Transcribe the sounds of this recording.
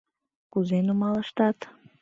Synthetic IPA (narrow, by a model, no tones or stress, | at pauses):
kuzenumɑləʃt̪ɑt̪